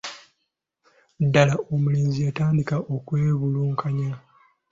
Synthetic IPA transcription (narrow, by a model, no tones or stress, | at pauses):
dːalaʔomuliːnzijataːndikaʔo̞kwe̞ːβuluːŋkʰaɲa